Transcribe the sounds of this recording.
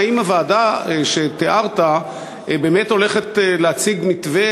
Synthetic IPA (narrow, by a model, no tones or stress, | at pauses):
imavaːdaʃe̞t̪eʔaʁta | be̞ːme̞to̞le̞χetleat͡siɡmitve